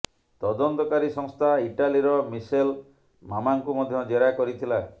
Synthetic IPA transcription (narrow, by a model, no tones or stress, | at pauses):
t̪ɔd̪ɔnt̪ɔkaɾisɔŋst̪ʰaiʈaliɾɔmisel | mamaŋkumɔd̪ʱjɔd͡ʒeɾakɔɾit̪ʰila